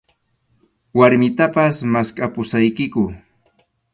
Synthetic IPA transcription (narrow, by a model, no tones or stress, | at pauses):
waɾmɪt̪apasmaskʼapʊsajkɪkʊ